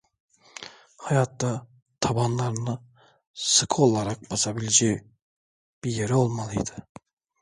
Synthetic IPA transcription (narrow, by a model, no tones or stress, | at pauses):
hɑjɑt̪d̪ɑ | t̪ʰɑbɑnlˠɑɾɯnɯ | sɯkʰɯo̞lˠaɾɑk̚basɑbilʲed͡ʒɛj | b̥iɾjeɾɛo̞lˠmɑlˠɯjd̪̥ɯ